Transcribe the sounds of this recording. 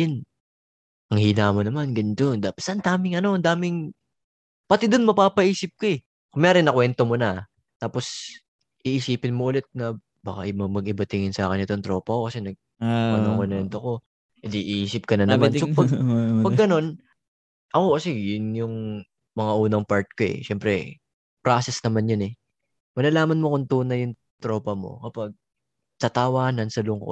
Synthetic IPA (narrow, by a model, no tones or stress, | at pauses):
ɪn | ʔɐŋhiːnaːmonɐmanɡɐnd̪ond̪apsʔɐnd̪aːmɪŋɐno̞ɐnd̪aːmɪŋ | pɐt̪ɪd̪onmɐpaːpɐʔiːsɪp̚koɛ | komɐjaːɾɪnɐkwɛnt̪omonɐ | t̪aːpo̞s | ʔiːʔisiːpɪnmoʔʊlɛt̪̚nɐ | baːkaʔɐjmɐmɐɡ̚ɪbɐt̪ɪŋɪnsa̰ːkɪnɪt̪ont̪ɾo̞ːpɐkokɐsɛnɐɡ̚ | ɐnoŋkonɛnt̪oko̞ | ʔɪd̪iʔʔiːsɪp̚kɐnɐnɐmansopɐɡpɐɡɐno̞n | ʔɐko̞kɐsɛjʊnjʊŋ | mɐŋaʔuːnɐŋpaɹt̪̚koʔɛ̰ʃɛmpɾɛ | pɾaːsɛsnɐmanjɐnɛ | mɐlɐlaːmɐnmokʊnt̪uːnɐjʊŋ | t̪ɾo̞ːpɐmo̞̰kɐpaɡ̚ | sɐt̪awaːnɐnsɐlʊŋko̰